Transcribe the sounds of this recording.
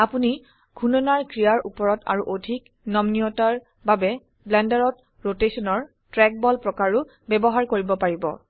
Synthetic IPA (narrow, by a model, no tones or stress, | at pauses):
apuni | ɡʱunɔnaɹkɹijaɹupɔɹɔtʰa̰ɹuʔodʱik | nɔmnijɔtaɹ | babɛ | blɛndaɹɔt | ɹotesɔnɔɹ | tɹɛk̚bɔlpɹɔkaɹʊ | bɛbɔɦaɹkoɹibɔpaɹibɔ̰